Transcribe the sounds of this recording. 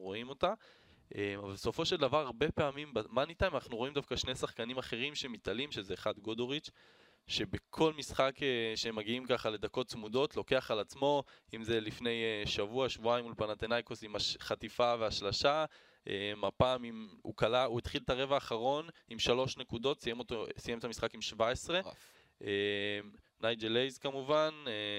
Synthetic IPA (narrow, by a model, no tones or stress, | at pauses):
ʁo̞imo̞t̪a | ʔemavalbeso̞fo̞ʃe̞ld̪avaʁaʁbe̞peamimbamanit̪anmanaχnuʁo̞imd̪avkaʃne̞jsaχkanimaχe̞ʁimʃe̞mit̪alimʃe̞zeːχad̪ɡod̪oʁit͡ʃ | ʃe̞be̞kʰo̞lmisχakeʃeemːaɡiimkaχale̞d̪ako̞tt͡smudo̞t̪lo̞ke̞aχalat͡smo̞imze̞lifne̞jʃavuaʃvuajmulpanat̪enajkosimaχatifaveaʃlaʃa | ʔemapaːmimṵkalauet̪χilt̪aʁe̞vaːχaʁo̞nimʃalo̞ʃne̞kud̪o̞t̪sijemotosijemet̪amisχakimʃvaesʁe̞ | ʔem | najd͡ʒelejzkamuvane